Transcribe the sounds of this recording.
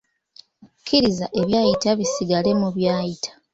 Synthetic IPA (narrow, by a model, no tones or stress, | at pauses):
kʰːiɾizaʔe̞βjaːjitaβisiɡale̞muβjaːjitʰḁ